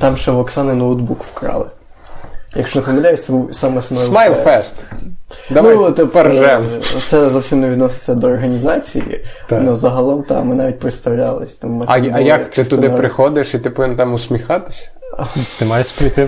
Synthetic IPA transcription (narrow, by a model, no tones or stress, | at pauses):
t̪ɑmʒɛʋɔksɑnɪnowd̪bukwkɾɑ̰lˠɪ | jɐkʃt͡ʃɔnɐpɐmʲɐd̪ʲajɪt̪sɛbuwsɑmɛsmajlmajlˠfɛst̪ | d̪ɐnut̪eppɛrʒɛmt̪sɛzɔwsʲimneʋʲid̪nɔsɪ̥t͡sʲːɐd̪ɔːrɦɐnʲizɑt͡sʲḭjḭnɔzɐɦɐlˠɔmt̪ɑ̰mɪnɑʋʲit̚ʲpɾɪt̪st̪ɐwlʲɑlˠɪsʲt̪ɑmmɪɐɐjɐkt̪ɪst̪ʊdd̪ɪpɾɪxɔd̪ɪʃit̪ɪpɔʋɪnt̪ɑmʊsʲmʲixɑt̪ɪ̥sʲɐ̥ | ɐt̪ɪmɑjeʃpɾʲit̪ɪ